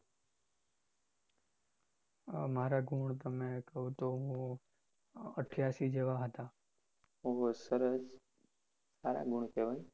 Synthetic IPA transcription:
maɾaɡʱuɳt̪əmekəɦũt̪oɦũ | əʈʰjasid͡ʒeʋaɦət̪a | oɦosəɾəs | saɾa̰ɡʱuɳ̃keʋaĩ

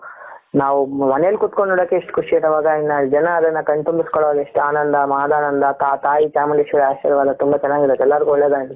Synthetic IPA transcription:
naːʋumɐnɛjɐlkut̪koɳɖoːɽokːeːʂʈkʰuʂiɐt̪ɐʋaːɡɐinːɐd͡ʒɐnɐːd̪ɐnːɐkɐɳt̪umbiskɔɭoːɡɐeʂʈaːnɐnd̪ɐmaːd̪aːnɐnd̪ɐt̪aːt̪aːjit͡ʃaːmɐɳɖeʃʋɐɾaːʃḭɾɐʋaːd̪ɐt̪umbɐt͡ʃɐnːaːɡid̪ɐt̪ːɛlːaɾɡuɦɔɭːeːd̪aːɡi

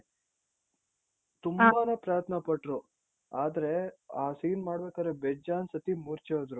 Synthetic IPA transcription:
t̪umbaːnepɾaːɐt̪ʰnɐpɐʈːɾu | aːd̪ɐɾeaːsiːnmaːɽbeːkad̪ɾebed͡ʒaːnsɐt̪imuɾt͡ʃeod̪ɾu

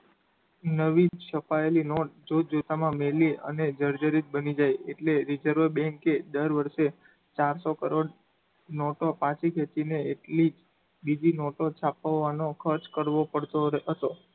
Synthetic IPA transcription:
nəʋit͡ʃəpaelinoʈd͡ʒot̪̚d͡ʒot̪amãmeliə̰ned͡ʒəɾd͡ʒəɾit̪̚bənid͡ʒajeʈleɾid͡ʒəɾʋəɾbɛ̃ŋked̪əɾʋəɾʃe | t͡ʃaɾsokəɾoɖ | nɔʈopãt͡ʃʰikʰet͡ʃineeʈlid͡ʒ | bid͡ʒinɔʈot͡ʃʰapəʋːanokʰəɾt͡ʃkəɾʋopəɽt̪oɦət̪o

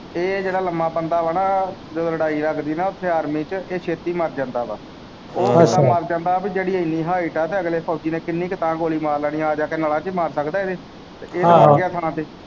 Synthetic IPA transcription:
eːd͡ʒeːɽaːləmːãːbənd̪aːʋənaːd͡ʒoːləɽaːiːləɡd̪iːnaːʊt̪ʰːeːaːɾmiːt͡ʃeːʃʰeːt̪iːməɾd͡ʒãːnd̪aːba̰ː | oːaːməɾd͡ʒãːnd̪aːbiːd͡ʒeːɽiːəiniːɦaːiːʈaːt̪eːəɡleːpʰaːd͡ʒiːnẽːkɪnːĩːkɪt̪ãːɡoːliːmaːɾlaːɽĩjãːd͡ʒaːkeːnaːlãːt͡ʃiːmaːɾsəkd̪aːed̪eː | t̪ḛːeːaɡɪaːt̪ʰənãːt̪eː

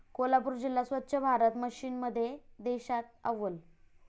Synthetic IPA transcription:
kolap̬uɾd͡ʑilːasʋət̪ːɕʰəbʱaɾət̪məɕiːnməd̪ʱːjed̪eɕat̪̚a̰ʋəl

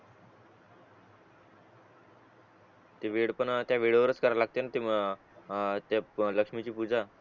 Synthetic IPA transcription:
t̪eʋiɽpəɳt̪jaʋiɽoʋəɾət͡skəɾalaɡ̚t̪enat̪e | t̪aləkʂmit͡ɕiːpud͡za

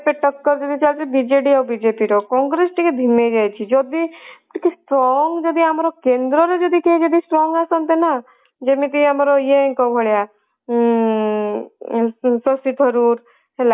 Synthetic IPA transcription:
peʈəkːəɾd͡ʒɔd̪it͡ʃalt̪ebid͡ʒeɖiɔbid͡ʒepiɾokɔ̃ːŋɡɾesʈiked̪ʱimed͡ʒajt͡ʃʰid͡ʒod̪iʈikisʈɾɔŋɡd͡ʒɔd̪iamɾɔkend̪ɾɔɾed͡ʒɔd̪iked͡ʒɔd̪isʈɾɔŋɡasɔnt̪ena | d͡ʒemik̪̬əĩamɾojẽkɔbʱɔɭja | sɔsit̪ʰəɾuːɾ | ɦela

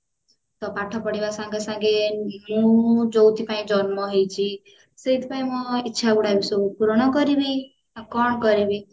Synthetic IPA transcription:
t̪ɔpaʈʰɔpɔɽibasãŋɡesãŋɡemũd͡ʒowt̪ʰipaĩd͡ʒɔnmɔɦejt͡ʃʰi | seit̪paĩmɔitːʃʰaɡuɽabisokupuɾɔɽ̃ɔkɔɾibi | akɔɳ̃kɔɾibi

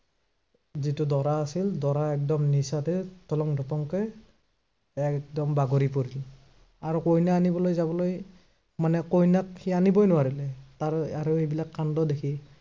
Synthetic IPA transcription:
zitʊdɔɹaːsildɔɹaɛk̚dɔmnisatɛtɔlɔŋdʱɔpɔŋkɛ | ɛk̚dɔmbaɡoɹipoɹil | aɹukojnaːnibɔlojzabɔloj | manɛkojnakhianibɔjnʊwaɹilɛtaɹaɹuejbilakːandɔdekʰi

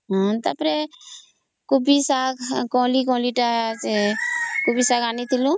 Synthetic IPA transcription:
ɦt̪əpɾe | kubisaːkkõːlik̬õːliʈaekʊbiːsaːɡaːnit̪ʰɪlũː

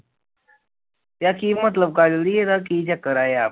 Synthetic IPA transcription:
t̪jakimət̪̬ləb̚kalɾieɾak̬id͡ʑjakəɾaja

